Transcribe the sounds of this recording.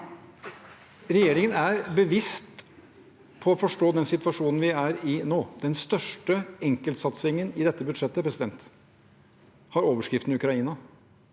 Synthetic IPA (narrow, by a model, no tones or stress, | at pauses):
ɾɛjeːɾɪŋənæɾbəʋɪst̪ | pʰɔːfɔʂʈoːd̪ɛnsɪt̪ʋɑʂuːnn̩ʋɪæɾɪnoːd̪̥ɛnst̪œʂʈəɛŋkəlt̪sɑt̪sɪŋənɪd̪ɛt̪ːəbʉd̪ʂɛt̪ːəpʰɾɛsɪd̪ɛnt̪ | hɑɾoːʋəʂkɾɪft̪nʉkɾɑiːnɑ